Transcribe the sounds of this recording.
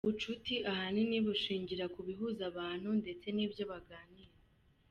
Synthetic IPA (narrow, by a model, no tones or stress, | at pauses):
βut͡ʃutiʔahaniniβuʃiːɲɟiɾakuβiɦuzaβaːn̥hunde̞t͡se̞niːbjo̞βaɡaːniɾa